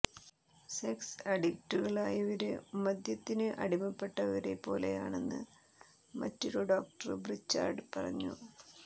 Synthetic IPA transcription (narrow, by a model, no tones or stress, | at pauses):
seksɐɽikʈːuɣɐɭaːjɐʋɐɾɨmɐd̪jɐt̪ːinɨʔɐɽimɐpːe̞ʈːɐʋɐɾe̞po̞ːle̞̰ja̰ːɳe̞nːɨ̰ | mɐ̰tːiɾoɖoːk̚ʈɐrɨbrit͡ɕːa̰ːrɖpɐrɐ̰ɲːṵ